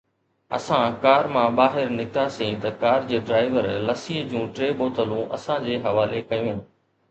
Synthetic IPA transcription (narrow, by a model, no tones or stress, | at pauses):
ɐ̰sãkaːɾmãːɓaːɦɪɾnɪk̚t̪asẽt̪ɐkaːɾd͡ʑeːɖɾaːɪʋəɾlɐsiːɦd͡ʑũːʈɾeːɓoːt̪ʰəlũʔɐ̰sãd͡ʑeːɦɐʋaːlekɐjũɦɪnɪ̆